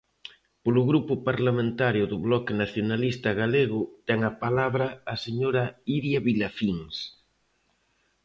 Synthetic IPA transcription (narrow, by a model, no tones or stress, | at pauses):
polʊɣɾupʊpaɾlamẽnt̪aɾjʊðʊβlɔkenaθjonalist̪ɐɣaleɣʊt̪ɛŋapalaβɾɐːseɲoɾɐiðjaβilafiŋs